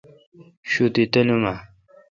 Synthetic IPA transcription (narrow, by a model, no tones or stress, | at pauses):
ɕut̪it̪ɐnuma